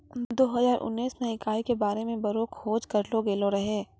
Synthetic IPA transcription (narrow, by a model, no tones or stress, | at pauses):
d̪oːɦɐzaːɾʔʊ̰nːiːsmẽɪkaːikebaːɾemẽbɐɾoːkhoːd͡ʒkɐɾloɡeːloɾɐɦeː